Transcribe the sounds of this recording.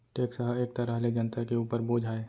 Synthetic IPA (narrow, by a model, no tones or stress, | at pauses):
ʈeːksəɦəeːk̚t̪ɐɾəɦled͡ʒənt̪akeuːpəɾboːd͡ʒʱaːe